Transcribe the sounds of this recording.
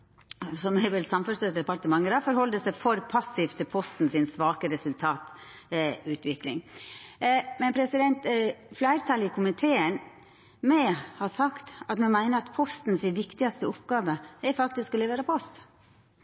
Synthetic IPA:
sɔmɛɪʋɛlsɑmfʉsød̪ɛpɑɾʈ̪əmɑŋːəɾɑfɔɾhɔld̪əsæɪfɔɾpʰɑsːɪft̪ʰɪlpʰɔst̪n̩sɪnsʋɑːkəɾɛsʉlt̪ʰɑːt̪ | ʉːt̪ʰʋɪklɪ̰ŋ | mɛnpʰɾɛsɪd̪ɛnt̪flæɪɾt̪ʰɑːlɪkʰʊmɪt̪ʰeːən | mɛhɑsɑkt̪ɑt̪mɛnmæɪnəɾɑt̪pʰɔst̪n̩sɪnʋɪkt̪ɪɑst̪əʊpɡ̥ɑːʋəɛɾfɑkt̪ɪsklɛʋeːɾəpʰɔst̪

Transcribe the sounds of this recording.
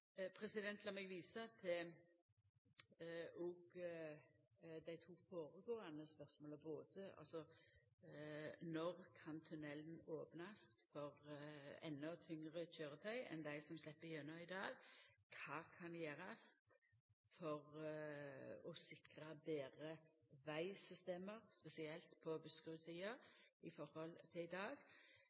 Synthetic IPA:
pʰɾɛsɪd̪ɛnt̪lɑmɛɡʋiːsɑt̪ʰɛ | ɔɡ | d̪æɪt̪ʰuːfoːʁəɡoːɑnəspœɾsmoːlɔboːt̪əʔɑ̰lsɔ | nɔʁkʰɑnt̪ʰʉnɛlənoːpnɑst̪fɔʁɛ̰nːɔt̪ʰʏŋʁəc͡çøːɾət̪ʰœʏɛ̰nd̪æɪsɔmslɛpːəjœnɑɪd̪ɑːɡkʰɑːkʰɑnjeːɾɑst̪ | fɔʁ | ɔsɪkɾɑbeːʁəʋæɪsʏst̪eːməʁspɛsɪɛlt̪pʰɔbʉskʉsiːəɪfɔɾhɔlt̪ʰɪɪd̪ɑːɡ

